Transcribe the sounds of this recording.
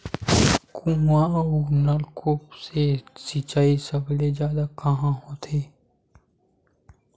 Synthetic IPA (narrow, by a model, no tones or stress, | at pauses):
kʰũɦãʊnalkʰoːpsesit͡ʃaːisəbled͡ʒjaːd̪akəɦãɦoːt̪ʰeː